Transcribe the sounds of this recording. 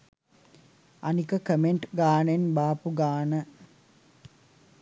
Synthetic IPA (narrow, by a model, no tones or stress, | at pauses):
ɐnikəkəmeɳʈɡaːɳenbaːpuɡaːɳə